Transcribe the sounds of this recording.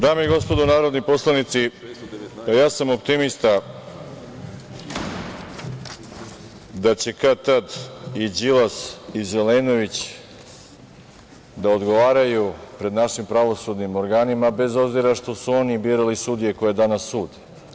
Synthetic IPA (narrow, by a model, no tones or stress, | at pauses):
d̪aːmeiɡo̞spo̞d̪onaːɾod̪nipo̞slˠanit̪si | pajaːsamo̞pt̪imist̪a | d̪at͡ɕe̞kat̪ad̪id͡ʑilasizeleno̞ʋit͡ɕ | d̪aod̪ɡo̞ʋaːɾajupɾe̞d̪naʃimpɾaʋo̞sud̪nimo̞ɾɡaːnimabe̞zo̞bziɾaʂt̪o̞suo̞nibiːɾalisud̪ije̞ko̞jed̪anasːuːd̪i̥